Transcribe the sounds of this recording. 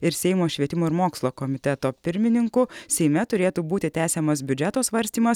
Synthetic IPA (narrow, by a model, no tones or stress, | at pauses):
ɪɾsʲɛɪmoːʃʲʋʲiɛt̪ʲɪmoːɪɾmoːkslˠoːkɔmʲɪt̪ʲɛt̪oːpʲɪɾʲmʲɪnʲɪŋkʊsʲɛɪmʲɛt̪ʊɾʲeːt̪uːbuːt̪ʲɪt̪ʲæːsʲɛmɐsbʲʊd͡ʒʲɛt̪oːsʋɐɾʲsʲt̪ʲiːmɐs